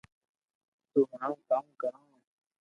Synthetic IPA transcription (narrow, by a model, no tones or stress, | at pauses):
t̪ʊmãːkaːmkəɾãː